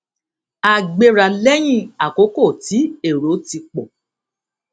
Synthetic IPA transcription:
a˨ɡ͡be˧ɾa˨lɛ˦j̃ĩ˦˨a˨ko˨˦ko˦˨ti˨˦e˦˨ɾo˨˦ti˧k͡pɔ˨

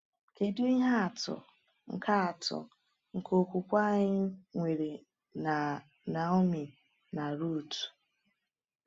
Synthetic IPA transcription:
ke˨du˦i˦ɦa˦a˨tʊ̰˨ | ŋ̩˨kʰa˦a˨tʊ̰˨ | ŋ̩˨kʰo˨kʷu˨kʷa˦ɲɪ˦ŋʷe˨ɾe˨ | na˨o˦mi˨ | na˨ɾu˦˨tu̥˨

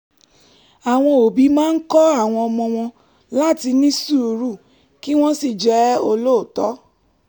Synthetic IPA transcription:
a˨w̃ɔ̃˧o˨bi˨˦mãː˦n̩˦kɔ˦a˦˨w̃ɔ̃˧ɔ˧mɔ̃˧w̃ɔ̃˧ | la˦˨ti˧nĩ˦su˦˧ɾu˦˨ | ki˦w̃ɔ̃˦si˦˨d͡ʒɛ˨˦o˧lo˦˨tɔ˨˦

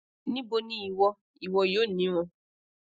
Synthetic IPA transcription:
nĩ˦bo˧nĩ˦i˨wɔ˧ | i˨wɔ˧joː˦˨nĩ˨˦w̃ɔ̃˧

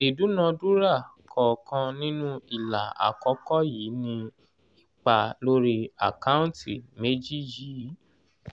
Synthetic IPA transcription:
i˨du˨˦nã˧du˦ɾa˦˨kʰɔ˨kʰã˧nĩ˦nũ˦i˦˨la˨a̰˨kɔ˨˦kɔ˦jiː˨˦nĩ˧ | i˦˨k͡pa˧lo˦ɾi˧a̰˨ka˦ũ˦ti˨me˦d͡ʒi˦jiː˨˦

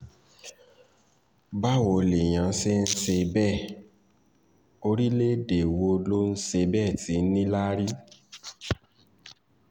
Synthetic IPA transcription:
ba˦˨wo˧˨le˨j̃ã˨˦se˦n̩˦se˧bɛ˦˨ | o˧ɾi˦le˦de˨wo˧lo˦n̩˦se˧bɛ˦˨ti˨˦nĩ˦la˦ɾi˦

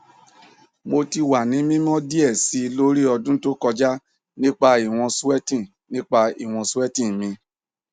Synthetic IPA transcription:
mo˧ti˧wa˨nĩ˨˦mĩ˦m˦ɔ̃˦di˦ɛ˦˨si˨˦˧lo˦ɾi˦ɔ˧dũ˦to˦kɔ˧d͡ʒa˦ | nĩ˦k͡pa˧i˨w̃ɔ̃˧su˦ɛ˦tĩ˦˨ | nĩ˦k͡pa˧ḭ˨w̃ɔ̃˧su˦ɛ˦tĩ˦mĩ˧

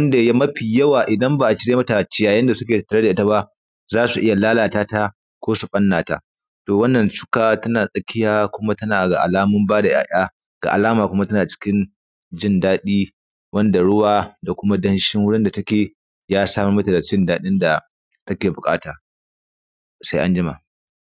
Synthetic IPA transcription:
ɐ˦nda˨ja˦mɐ˦ɸiː˨jɐ˦waː˨ʔɪ˨dɐ˦mba˨ʔa˨t͡ʃɪ˦ɽeː˦mɐ˦ta˨t͡ʃɪ˨jaː˨jɐ˦nda˨sʊ˦kʲeː˨ta˨tːɐ˨ɽe˦da˨ɪ˦ta˦ba˦ | zaː˦su˨ʔɪ˦ja˨laː˦laː˨taː˦ta˦ | kʷoː˦su˨ɓʼɐ˦nːaː˨ta̰˨ | toː˨wɐ˦nːɐ˨nt͡ʃʊ̥˦kaː˨tɐ˦naː˨sʼɐ˦kʲɪ˦jaː˦kʷʊ˦ma˦tɐ˦naː˨ɡa̰˨ʔa̰˨laː˦mʊ˦mbaː˦da˨ja̰ː˨ʔʲaː˦ | ɡ̥a̰˨ʔa̰˨laː˦maː˨kʷʊ˦ma˦tɐ˦naː˨t͡ʃɪ̥˦kʲɪ˦n | d͡ʒɪ˦ndaː˦ɗiː˦ | wɐ˦nda˨ɽʊ˦waː˨da˨kʷʊ˦ma˦dɐ˦nʃɪ˦ŋwʊ˦ɽɪ˦nda˨tɐ˦kʲeː˨ | jaː˦saː˦mu˨mɐ˦ta˨da˨t͡ʃɪ˦ndaː˦ɗɪ˦nda˨ | tɐ˦kʲeː˨bʊ˨kʼa̰ː˦taː˨ | sa˦jʔa˦nd͡ʒɪ˦ma̰˨

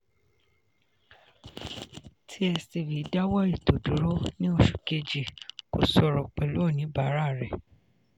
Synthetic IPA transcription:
tʰi˦ɛ˧si˧˨wi˨˦da˦wɔ˦i˦˨to˨du˨˦ɾo˦nĩ˦o˧ʃu̥˨ke˧d͡ʒi˨ko̰˨sɔ˧ɾɔ˨k͡pɛ˨lo˦˨nĩ˨˦ba˨˦ɾa˦˨ɾɛ˨

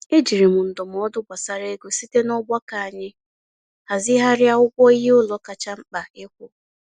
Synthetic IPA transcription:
e˦d͡ʒi˨ɾi˨mʊ˨n̩˨dʊ˨m̩˨ɔ˦dʊ˦ɡʷa˨sa˨ɾe˦ɡo˨si˦te˦nɔ˦ɡ͡bʷa˦ka˨a˨ɲɪ˦ | ha˨zɪ˦ɦa˦ɾja˦ʊ˦kʷɔ˦i˦ɦe˦ʊ˦lɔ˨ka˨t͡ʃa˦ŋ͡m̩˦k͡pa˨ɪ˦kʷʊ˨

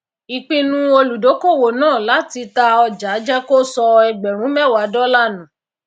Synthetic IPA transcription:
i˨k͡pĩ˧nũ˦o˧lu˨do˨˦ko˦˨wo˨nãː˦˨la˨˦ti˧ta˧ɔ˧d͡ʒa˨˦d͡ʒɛ˦ko˦sɔ˧ɛ˧ɡ͡bɛ˨ɾ̃ũ˨˦mɛ˦˨wa˨˦dɔ˦la˦˨nũ˨˦

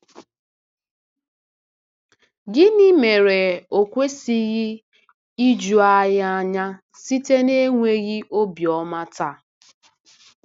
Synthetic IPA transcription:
ɡɪ˦ni˦me˨ɾe˨o˨kʷe˦si˦ɣɪ˦ | i˦d͡ʒu˨a˦ɣa˦ɲa˦ | si˦te˦ne˦ŋʷe˦ɣi˦ʔo˦bjɔ˦ma˦ta˦˨

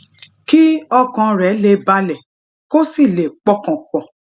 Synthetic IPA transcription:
ki˦ɔ˧kɔ̃˧ɾɛ˨˦le˧ba˧lɛ˨ | ko˦si˦˨le˨k͡pɔ˧kɔ̃˨k͡pɔ̃˨

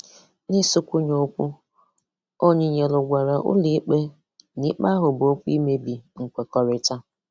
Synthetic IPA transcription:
nɪ˦sʊ˦kʷu˦ɲo˦kʷu˦ | o˦ɲɪ˨ɲe˨lʊ˨ɡʷa˨ɾa˨ʔʊ̰˦li˦k͡pe˦ | ni˦k͡pa˦ɦʊ˨bo˦kʷu˦i˦me˦bi˨ŋ̩˨kʷe˨kɔ˨ɾɪ˦ta˦

